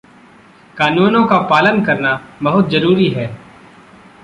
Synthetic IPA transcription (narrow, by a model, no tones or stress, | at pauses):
kaːnuːnõkapaːlənkɐɾnabɐɦʊt̪̚zɐɾuːɾiɦɛː